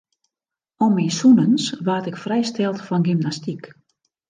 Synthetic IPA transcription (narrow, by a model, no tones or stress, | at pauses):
ɔmisunənsʋaːtɪkfrɛjstɛlˠtfɔnɡymnastik